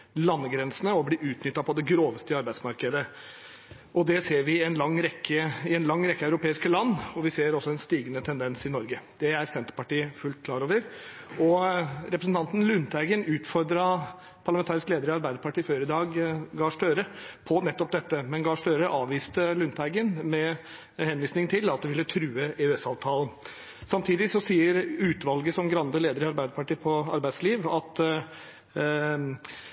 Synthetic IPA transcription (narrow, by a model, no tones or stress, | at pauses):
lɑnːəɡɾɛnsənəɔbliːʔʉːt̪nʏt̪ːɑpʰɔd̪ɛɡɾoːʋəst̪əɑɾbæɪd̪smɑɾkəd̪ə | ʔɔd̪ɛseːɾʋɪɛnlɑŋːɾɛkːəɪɛnlɑŋːɾɛkːəɑʉɾʊpeːɪskəlɑnːɔʋɪseːɾɔsːɔɛnst̪iːɡənət̪ʰɛnd̪ɛnsɪnɔɾɡəd̪̥ɛæɾsɛnt̪əɾpɑʈiːəfʉlt̪̚kʰlɑːɾoːʋəɾ | ɔɾɛpɾəsnt̪ʰɑnt̪nlʉnt̪ʰæɪɡənʉːt̪fɔɾd̪ɾɑ | pʰɑɭɑmɛnt̪ʰɑːɾɪskleːd̪əɾɔɑɾbæɪd̪əpɑʈiːføːɾɪd̪ɑːɡɡɑːʂʈøːɾəpʰɔnɛt̪ːɔpd̪ɛt̪ːəmɛnɡɑːʂʈøːɾəʔɑːʋʋiːst̪əlʉnt̪ʰæɪɡənmɛ | hɛnʋiːsnɪŋt̪ʰɪlɑt̪̚d̪ɛʋɪlːət̪ʰɾʉːəʔɛʉɛsɑːʋt̪ʰɑːln̩ | sɑmt̪ʰiːd̪ɪsɔsiːəɾʉːt̪ʋɑlɡəsɔmɡɾɑnd̪əleːd̪əɾɑɾbæɪd̪əɾpɑʈiːpʰɔɑ̰ɾbæɪsliːʋɑt̪